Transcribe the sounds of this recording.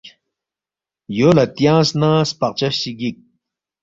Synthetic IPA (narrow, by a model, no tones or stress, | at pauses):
joːlɐt̪jãːsnãːspɐq̚t͡ɕɐɕiɡik̚